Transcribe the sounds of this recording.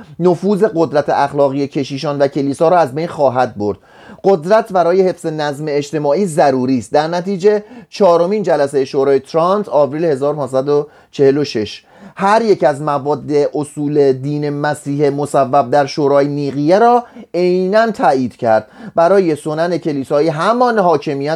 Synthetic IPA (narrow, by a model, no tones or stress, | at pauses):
nofuːze̞ɣo̞d̪ɾæt̪ʰeʔæxlɒːɣijecʰe̞ʃiːʃɒːnvæcʰe̞liːsɒːɾɔːæzbe̞jnxɒːɦæd̪̚bo̞̰ɾd̪̥̚ | ɢ̥o̞d̪ɾæt̪ʰbæɾɒːjehe̞fz̥e̞næzmeːʃt̪e̞mɒːʔiːzæɾuːɾiːst̪̚d̪æɾnæt̪ʰiːd͡ʒe̞t͡ʃʰɒːɾo̞miːnd͡ʒælæse̞jeʃoɾɒːjet̪ʰɾɑnt̪ʰɒːbɾiːlhe̞zɒːɾopʰɒːnsæd̪o | t͡ʃʰe̞he̞lo̞ʃeʃ | hæɾje̞cæzmævɒːd̪ːe̞ʔosuːle̞d̪iːne̞mæsiːhemosævːæb̚d̪æɾʃoːɾɒːjeniːɣijeɾɒːejnænt̪ʰæːiːd̪̥cʰæɾd̪̥̚bæɾɒːje̞so̞næne̞cʰe̞liːsɒːiːɦæmɒːnhɒːcʰe̞mijæ